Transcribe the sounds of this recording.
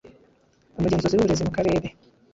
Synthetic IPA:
omuɟeːnzoziɾuβuɾezimukaɾe̞ːɾe

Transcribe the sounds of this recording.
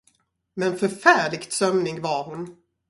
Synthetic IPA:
mɛnfœɾfæːɭɪɡt̪sœmnɪɡvaɾhʊn

